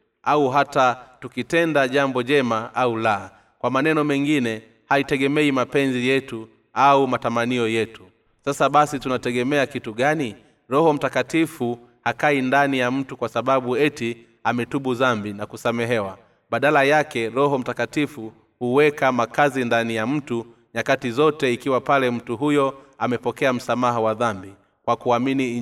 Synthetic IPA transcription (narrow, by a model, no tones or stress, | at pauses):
auɦatatukitɛndaʄambɔʄɛmaʔaula | kwamanɛnɔmɛŋɡinɛ | haitɛɠɛmɛimapɛnzijɛtu | aumatamaniɔjɛtu̥ | sasaɓasitunatɛɠɛmɛakituɠani | ɾɔɦɔm̩takatifu | hakaindanijam̩tukwasaɓaɓuɛti | amɛtuɓuðambinakusamɛɦɛwa | ɓaɗalajakɛɾɔɦɔm̩takatifu | huwɛkamakazindanijam̩tu | ɲakatizɔtɛikiwapalɛm̩tuɦujɔ | amɛpɔkɛam̩samaɦawaðambi | kwakuamini